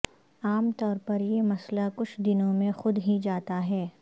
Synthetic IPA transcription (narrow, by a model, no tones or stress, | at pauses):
aːmt̪ɔːɾpɐɾjemɐslakʊt͡ʃʰd̪ɪnõmẽxʊd̪ɦid͡ʒaːt̪aɦɛː